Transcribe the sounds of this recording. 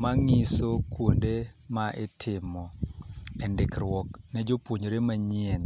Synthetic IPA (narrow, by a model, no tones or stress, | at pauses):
maŋisokwondemaʔɛtʰɪmɔɛndɪkɾwɔknɛd͡ʒopwoɲoɾemaɲien